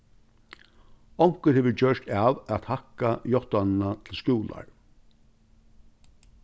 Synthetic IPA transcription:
ɔwŋ̥kəɾheːʋəd͡ʑœʂt̪avat̪hakːajɔht̪anɪnat̪ʰɪlskuːla̰ɹ

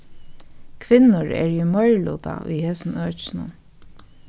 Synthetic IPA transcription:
kʰʋɪnːʊɹɛ̰ɹimɔɹlṵːt̪a̰ʔʊ̰jheːsn̩øːt͡ʃnʊ̰n

